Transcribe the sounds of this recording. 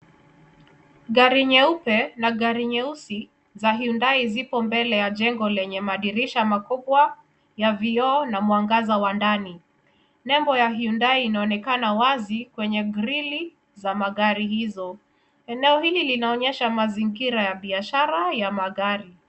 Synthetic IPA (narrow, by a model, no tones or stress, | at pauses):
ɡaɾiɲɛupɛnaɠaɾiɲɛusi | zaɦiundaizipɔmbɛlɛjaʄɛŋɡɔlɛɲɛmaɗiɾiʃamakuɓwa | javiɔːnamuaŋɡazawandani | nɛmbɔjaɦiundaiːnaɔnɛkanawazikwɛɲɛɡɾili | zamaɠaɾihizɔ | ɛnɛɔhililinaɔɲɛʃamaziŋɡiɾajaɓiaʃaɾajamaɠaɾi